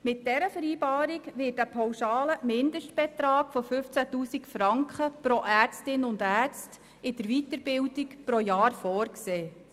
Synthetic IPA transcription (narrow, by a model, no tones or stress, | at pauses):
mɪt̚d̥ɛɾəfəɾiːbɑːɾikʋɪtəpʰɑwʃɑːləmɪndəʃtb̥ɛt̪ɾɑːkfɔfʏft͡sætuːsikfɾɑŋkχəpɾoʔæːɾt͡stɪnʊndæːɾt͡st | ɪd̥əɾʋitəɾb̥ɪwdikpɾojɑːɾfɔːrkseː